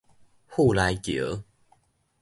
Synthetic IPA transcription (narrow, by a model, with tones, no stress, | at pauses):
hu˥˨la˨˦jkjə˨˦